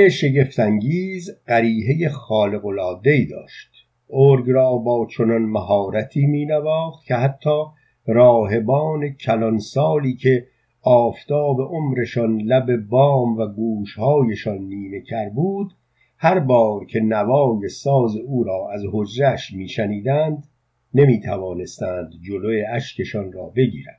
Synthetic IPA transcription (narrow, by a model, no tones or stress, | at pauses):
eʃe̞ɟe̞ft̪ʰæŋɟiːzɢæɾiːɦe̞jeχɒːle̞ɣo̞lɒːd̪e̞iːd̪ɒ̰ːʃt̪ | ʔoɾɡɾɒːbɒːt͡ʃʰo̞nɒnmæɦɒːɾæt̪ʰiːmiːnævɒːχt̪cʰe̞ɦæt̪ʰːɒː | ɾɒːɦe̞bɒːne̞cʰælɒnsɒːliːcʰe̞ | ɒːft̪ʰɒːbe̞ʔo̞mɾe̞ʃɒnlæbe̞bɒːmvæɡuːʃhɒːjeʃɒnːiːne̞cʰæɾbuːd̪ | hæɾbɒːɾcʰe̞nævɒːje̞sɒːze̞uːɾɒːʔæzho̞d͡ʒɾæʃmiːʃæniːd̪ænd̪ | ne̞miːt̪ʰævɒːne̞st̪æːnd̪d͡ʒo̞lojeæʃkʰe̞ʃɒnrɒːbe̞ɟḭːɾænd̪̥